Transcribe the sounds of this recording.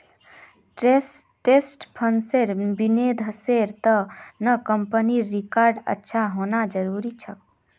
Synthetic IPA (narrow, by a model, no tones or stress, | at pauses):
ʈs | ʈesʈpʰənseɾbined̪ʱɦəseɾt̪ənəkəmpəniɾikaɾɖə̰tːʃʰaɦonad͡ʒəɾuɾit͡ʃʰək